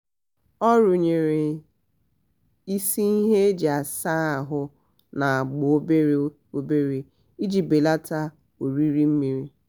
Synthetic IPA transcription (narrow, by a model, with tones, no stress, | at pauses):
ɔ˦ɾʊ˨ɲe˨ɾe˨ | i˦si˦i˦ɦe˦e˦d͡ʒi˨a˨sa˦a˨ɦʊ˦ | na˨a˨ɡ͡bo˦be˦ɾ | o˦be˦ɾi˨ | i˦d͡ʒi˨be˨la˦ta˦ | o˨ɾi˦ɾi˦m̩˦mi˨ɾi˦